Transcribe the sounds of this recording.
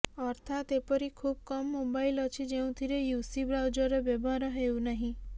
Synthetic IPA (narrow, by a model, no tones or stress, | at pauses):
ɔɾt̪ʰat̪epɔɾikʰub̚kɔmːobajlɔt͡ʃʰid͡ʒeũt̪ʰiɾejusibɾawd͡ʒɔɾɔbjɔbɔɾɔɦewnaɦĩ